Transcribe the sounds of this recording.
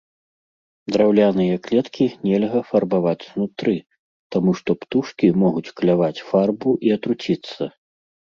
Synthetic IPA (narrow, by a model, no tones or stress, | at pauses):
d̪ɾawlʲanɨjɐklʲɛt̪kʲinʲɛlʲɣɐfɐrbavat͡sʲznut̪ɾɨ | t̪amuʂt̪ɔpt̪uʂkʲimɔɣut͡sʲklʲavat͡sʲfarbuʔiɐt̪ɾut͡sʲit̪sːɐ